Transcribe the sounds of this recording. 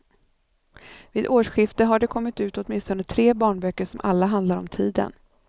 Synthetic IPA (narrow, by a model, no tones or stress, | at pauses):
viːd̪oːʂɧɪft̪əɦaɖɛkʰɔmːɪt̪ʉ̟ːt̪ɔt̪mɪnst̪ɔnət̪ʰɾeːbɑːɳbœkːəʂɔmʔalːaɦand̪laɾɔmt̪ʰiːd̪ə̰n